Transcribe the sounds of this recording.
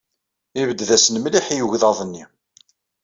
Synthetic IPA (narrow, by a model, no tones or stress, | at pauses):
ivəd̪ːðæsnmliħijuʝðɑðˤnːi